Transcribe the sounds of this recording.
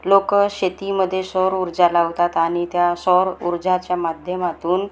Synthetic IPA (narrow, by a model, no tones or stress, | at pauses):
lokɕet̪iməd̪ʱːjesɔɾuɾd͡ʑalaʋt̪at̪aɽ̃it̪jasɔɾuɾd͡ʑat͡ɕjamad̪ʱjəmat̪uːn